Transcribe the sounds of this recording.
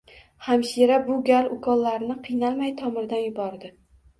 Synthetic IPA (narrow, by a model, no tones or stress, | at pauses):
hamʃiɾabʊɡʲalʊkʰɒlːaɾnɪqʰɨjnalmajt̪ʰɒmɪɾd̪anjʊbɒɾd̪ɪ